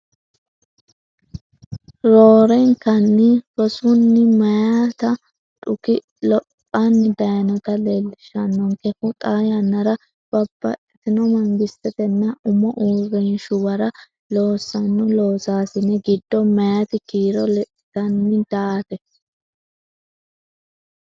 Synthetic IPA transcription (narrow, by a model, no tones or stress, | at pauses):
ɾoːɾɛŋkɐnːɪfɔsʊnːɪmɐjat̪ɐ | ᶑʼʊkɪ | lɔpʼː | ɐnːɪd̪ɐjnɔt̪ɐlelːɪʃɐnːɔŋkɛfʊt̪ʼaːjɐnːɐɾɐ | b̥ɐbːɐ̰ʔɛt̪ɪnɔmɐŋɡɪstːɛt̪ɛnːɐʊmːɔʔuːɾɛnʃʊbɐɾɐ | lo̞ːsːɐnːʊloːsaːsɪnɛɡɪd̪ːɔmɐjat̪ɪkiːɾɔlɛʔɪt̪ɐnːɪd̪̥aːt̪ɛ